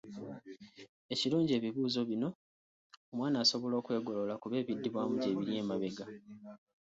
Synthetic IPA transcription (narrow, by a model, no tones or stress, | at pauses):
e̞ciluːɲɟie̞ːβiβuːzo̞βino̞ː | mwaːnaːso̞βo̞lo̞ːkweːɡo̞lo̞lakuβe̞ːβidːiβwaːmuɟe̞ːβiɾje̞ːmaβe̞ɡa